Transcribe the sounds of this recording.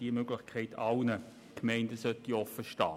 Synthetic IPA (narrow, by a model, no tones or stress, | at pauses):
d̥iəmøɡlɪxkʰɛɪtʰɑlnə | kmɛɪndəsœtiɔfːəʃtɑː